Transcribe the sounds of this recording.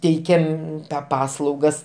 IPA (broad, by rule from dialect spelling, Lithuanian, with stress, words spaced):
ˈtʲɛɪkʲɛm ˈpɑːslˠɐʊɡɐs